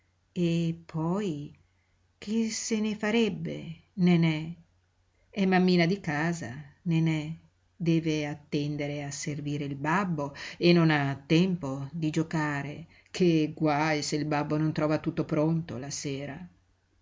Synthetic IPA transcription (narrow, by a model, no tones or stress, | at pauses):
epʰːɔj | k̟ʰesenefaɾɛbːḛnenɛ | ɛmːamːiːnad̪ikaːza̰nenɛ | d̪ɛːveat̪ːɛnd̪eɾeaserviːɾeilbabːoenːonat̪ːɛmpod̪id͡ʒokaːɾe | kʰeɡwajseilbabːonont̪ɾɔːvat̪ut̪ːopɾont̪o̰laseːɾa